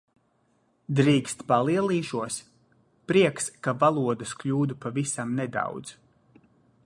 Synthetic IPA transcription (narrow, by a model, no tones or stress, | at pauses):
d̪ɾiːkst̪palˠiɛlˠiːʃuɔs | pɾiɛkskavalˠuɔd̪ɐsklʲuːd̪upavisamnɛd̪a̰wd̪z̥